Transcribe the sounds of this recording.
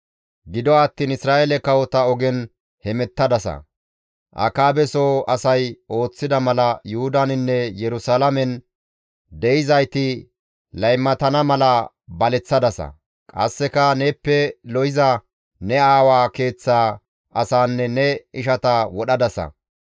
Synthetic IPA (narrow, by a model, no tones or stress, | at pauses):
ɡɪd̪ɔːt̪ːiːnɪsɾaːʔelɛkɐwɔt̪ɐɔɡɛn | hɛmɛt̪ːɐd̪ɐsɐ̰ | ʔɐ̰kaːbɛsoːɐsɐjʔo̞ːt͡sːɪd̪ɐmɐlɐjʊhʊd̪ɐnɪnːɛjɛɾʊsaːlɐmɛn | d̪ɛjɪzɐjt̪ɪ | lɐjmːɐt̪ɐnɐmɐlɐ | bɐlɛt͡sːɐd̪ɐsɐ̰ | kʼɐsːɛkɐneːpːɛlɔjɪzɐ | nɛaːwaːke̞ːt͡sːaː | ʔɐsaːnːɛnɛɪʃɐt̪ɐwɔɗɐd̪ɐsɐ̰